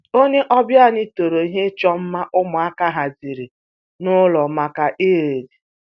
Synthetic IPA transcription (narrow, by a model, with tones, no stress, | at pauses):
o˦ɲe˦ʔɔ˦bja˦˨ni˦to˨ɾo˨i˦ɦe˦t͡ʃɔ˦m̩˦ma˦ʔʊ˦mʊ˨a˦ka˦ɦa˨zi˨ɾi˨ | nʊ˦lɔ˨ma˨ka˨ʔe˦˨e˨di˨